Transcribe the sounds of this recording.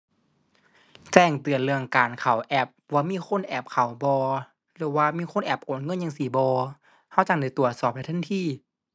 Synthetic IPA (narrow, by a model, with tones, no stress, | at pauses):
t͡ɕɛː˧˩ŋt̪ɯ˨˩ənlɯ˧əŋkaː˨˩nkʰa˨˩wʔɛ˧˩p̚waː˧miː˧˥˨kʰo˧˥˨nʔɛ˧˩p̚kʰa˨˩wbɔː˧ | lɯː˧˩˦waː˧˨miː˧˥˨xʰo˧˥˨nʔɛ˧˩p̚ʔoː˨˩nŋɤ˧˥˨nja˧ŋsi˧˦bɔː˧ | ha˧˥˩wt͡ɕa˧˩ŋda˨˦jt̪u˨˩ət̪̚sɔː˧˨˩p̚da˧˩t̪ʰnt̪ʰiː˧˥˨